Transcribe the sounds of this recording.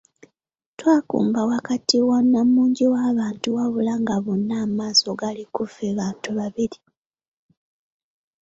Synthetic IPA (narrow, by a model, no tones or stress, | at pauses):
twaːkṵːmbawakatiwanːamuːɲɟiwaːβaːntuwaβulaŋɡaβonːamaːso̞ɡalikufeβaːntuβaβiɾi